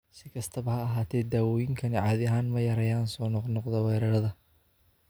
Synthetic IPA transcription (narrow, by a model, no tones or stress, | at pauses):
sɪkʰɐst̪ʰɐβɐhɐːɦaːt̪ʰɛːd̪aːwɔːjɪŋkʰɐnɪʕɑːðɪɐɦaːnmɐjɐɾɐjaːnsɔːnɔqnɔqðɔwɛːɾɐɾɐðɐ